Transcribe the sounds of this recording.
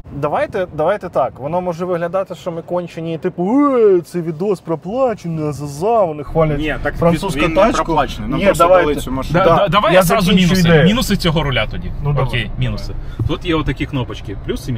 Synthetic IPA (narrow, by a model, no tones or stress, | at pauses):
d̪ɐʋajt̪ɛd̪ɐʋajt̪ɛt̪ɑkʋɔnomɔʐɛʋɪɦlʲɐd̪ɑt̪ɪʃt͡ʃɔmɪkɔnʲt͡ʃɪnʲiit̪ɪpʊɛt̪sɛjʋʲid̪ospɾɐplˠɑt͡ʃɪnɨɐzɐzɑʋɔnɪxʋalʲɐtnʲet̪akfɾɐnsuskʊt̪at͡ʃɐklˠat͡ʃ̪ʲid̪ɐʋajˠmɔd̪ɐd̪ad̪ɐʋajzɾazʊmʲinʊsd̪ɛminʊsɨt͡sʲɔɦoɾʊlʲat̪ʊdʲinɔkʲejmʲinʊsɨt̪ut̪jeʊt̪ːɐkʲiknopɐt͡ɕkʲɪplʲusi